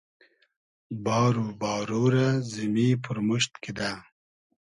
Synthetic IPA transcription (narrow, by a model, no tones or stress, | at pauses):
bɑːɾubɑːɾoɾazimipʊɾmuʃt̪kid̪a